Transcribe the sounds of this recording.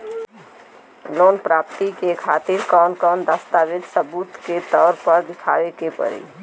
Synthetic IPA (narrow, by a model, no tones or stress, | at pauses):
loːnpɾaːp̚t̪ikekʰaːt̪ɪɾkɔːnkɔːnd̪əst̪aːʋɪt̪səbuːt̪ket̪ɔːɾpəɾd̪ɪkʰa̰ːʋekepə̰ɾḭː